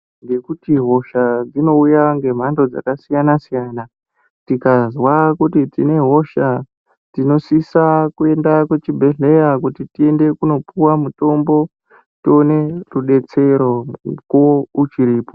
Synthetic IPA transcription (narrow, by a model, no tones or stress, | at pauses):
ŋɡe̞kutiɦo̞ʃad͡zino̞ujaŋɡe̞m̤ando̞d͡za̰kasijanasijana | tikazwakutitine̞ɦo̞ʃa | tino̞sisakue̞ndakwet͡ʃibʱe̞ɮe̞jakutitie̞nde̞kuno̞puwamuto̞mbo̞ | tio̞ne̞ruɗe̞t͡se̞ɾo̞kout͡ʃiɾiːpo̥